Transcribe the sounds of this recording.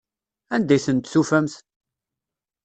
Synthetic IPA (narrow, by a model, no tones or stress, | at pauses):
ænd̪æjθənt̪sufæmθt̪